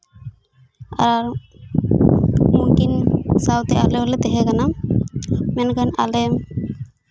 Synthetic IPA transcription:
a̰ɾaɾ | muŋkinsawt̪ɛa̰lɛwlɛt̪ɛɦɛkana | mɛnkana̰lɛ

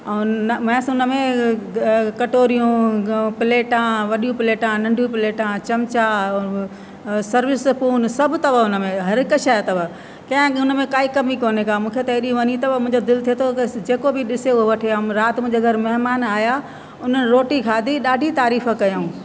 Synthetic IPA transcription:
mɛ̃ːsʊnəmẽ | kɐʈoːɾijũpɪleːʈãʋɐɗijũpɪleːʈãnɐ̃ɳɖʱjũpɪleːʈãt͡ɕɐmt͡ɕa | sɐɾʋɪspuːnsɐbʱt̪ɐʋəʊnəmẽɦɐɾɪkəʃaːjat̪ɐʋə | kɐ̃ɦɪ̃ʊnəmẽkaːikɐmikoːnekaːmũːkʰet̪ɐɦɗiʋɐɲit̪ɐbəmʊ̃ɦɪ̃ɲd͡ʑod̪ɪlt̪ʰiet̪ʰod͡ʑeːkobʱɪɗɪseʊɦoʋɐʈʰeaɾaːt̪mʊ̃ɪ̃ɲd͡ʑɡʱɐɾmɐɦmaːnaːja | ʊn̤ənɪɾoːʈikʰaːd̪ʱiɗaːɖʱit̪aːɾiːfəkɐjaũː

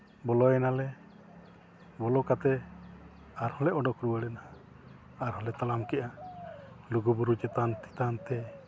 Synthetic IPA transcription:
bɔlɔjɛnalɛ | bɔlɔkat̪ɛ | aɾhɔlɛʔɔɖɔkɾuwəɽɛna | aɾɦɔlɛt̪alamkɛʔa | luɡubuɾut͡ʃɛt̪ant̪i̥t̪ant̪ɛ

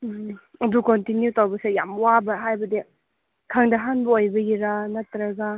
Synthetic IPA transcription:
ɐdukontinjutawbɐsejamwabɐɦajbɐdi | kʰɐŋdɐɦanbɐojbɐjiɾanɐtɾɐɡa

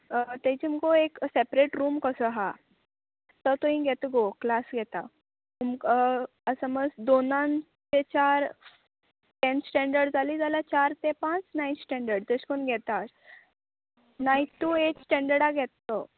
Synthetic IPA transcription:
t̪ɛ̃t͡ɕiməkoeksepɾeʈɾuːmkəsəɦa | t̪ət̪oĩɡʱɛt̪ɡoklasɡʱɛt̪a | umk | əsəməsd̪onãn | tet͡ɕaɾ | t̪ensʈɛ̃ɳɖəɾɖd͡zʱaliːd͡zalat͡ɕaɾt̪epãt͡snajnsʈɛ̃ɳɖəɾɖt̪əskonɡʱɛt̪aɾ | najtːueʈsʈɛ̃ɳɖəɾɽaɡʱɛt̪ːə

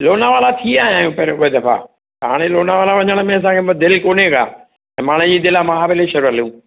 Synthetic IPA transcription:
loːnaʋaːlat̪ʰiaːɦɪjaːjũpɐɾoed̪ɐfa̰ | ɦa̰ːɽ̃eloːnaʋaːlaʋɐɲəɽ̃ə̆mẽɐs̬ãkʰemd̪ɪlkoːnekʰa̰ː | ɛ̃ːmaːɽ̃ə̃d͡ʑiːd̪ɪlamãɦaːbɪleʃɐɾuɐlijũː

